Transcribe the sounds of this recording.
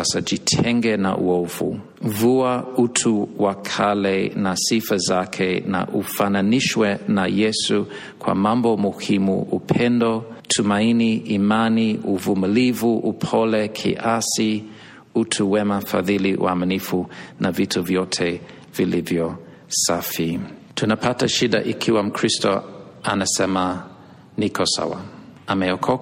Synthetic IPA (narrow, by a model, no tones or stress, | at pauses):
asad͡ʒitʰɛŋɡɛna̰ʔṵɔvṵ | vuautʰuwakʰalɛnasifazakʰɛna̰ʔufananiʃwɛnajɛsu | kʰwa̰mambɔmuhimṵupʰɛndɔtʰumainiimaniuvumilivuʔupʰɔlɛkʰḭʔasi | utʰuwɛmafa̰ðiliʔṵaminifunavitʰuvjɔtʰɛ | vilivjɔ | safi | tʰunapʰataʃida̰ʔikʰiwam̩kʰɹistɔ̰ | anasɛma | nikʰɔsa̰wa̰amɛɔkʰɔ